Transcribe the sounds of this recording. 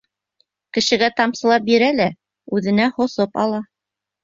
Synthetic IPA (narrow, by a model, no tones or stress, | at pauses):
kɘ̆ʃɘ̆ɡæt̪ɑmsɤ̆lˠɑp̚biɾælæ | ʉðɘ̆næhŏsopɑ̰lˠɑ